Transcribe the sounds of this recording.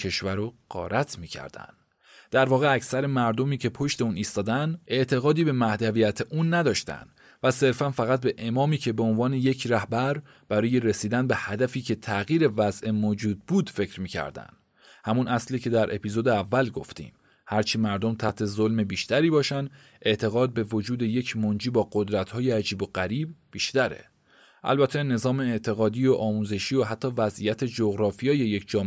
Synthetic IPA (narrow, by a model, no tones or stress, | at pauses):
eʃvæɾoɢ̥ɒ̰ːɾʔæt̪ʰmiːcʰæ̰ɾd̪æ̰nd̪̥ | d̪̥æɾvɒːɣeæcsæɾe̞mæɾd̪o̞miːcʰe̞pʰo̞ʃt̪euːniːst̪ɒːd̪ænd̪e̞ʔt̪ʰe̞ɣɒːd̪iːbe̞mæhd̪ævijæt̪ʰeʔuːnːæd̪ɒːʃt̪æ̰nd̪̥ | væse̞ɾfænfæɣæt̪̚be̞ʔe̞mɒːmiːcʰe̞beonvɒːne̞je̞cʰɾæhbæɾ | b̥æɾɒːje̞ɾesiːd̪ænbe̞hæd̪æfiːcʰe̞t̪ʰæɣiːɾe̞væzʔemod͡ʒuːd̪̚buːd̪̥fe̞cɾmiːcʰæ̰ɾd̪æ̰nd̪̥ | hæmunʔæsliːkcʰe̞d̪æɾʔe̞̰piːzoːd̪eævːælɡo̞ft̪ḭːm | hæɾt͡ʃʰimæɾd̪omt̪ʰæht̪ʰe̞zolmebiːʃt̪æɾiːbɒːʃænd̪ | ʔe̞ʔt̪ʰe̞ɣɒːd̪̚be̞vo̞d͡ʒuːd̪e̞je̞cʰmond͡ʒiːbɒːɢo̞d̪ɾæt̪ʰhɒːjeæd͡ʒiːbo̞ɢæɾiːb̚ːiːʃt̪æɾe̞̰ | ʔæ̰lbæt̪ʰe̞ne̞zɒːme̞ːʔt̪ʰe̞ɣɒːd̪iːoʔɒːmuːze̞ʃiːoɦæt̪ʰːɒːvæzʔijæt̪ʰe̞d͡ʒo̞ɣɾɒːfijeːje̞jecʰd͡ʒɒːm